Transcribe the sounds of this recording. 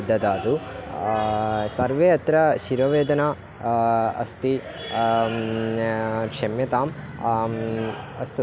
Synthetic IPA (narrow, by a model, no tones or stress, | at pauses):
d̪ʱːɐd̪aːd̪u | sɐɾʋeːɐt̪ɾɐʃiɾɐʋeːd̪ɐnaː | ɐ̰st̪i | kʂemjɐt̪aːm | ɐst̪u